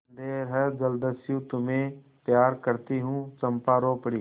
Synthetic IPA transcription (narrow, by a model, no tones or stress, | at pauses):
nd̪eːɾɦɛd͡ʒəld̪əsjũt̪ʊmẽ | pjaːɾkəɾt̪iɦũt͡ʃɐ̃mpaːɾoːpɽiː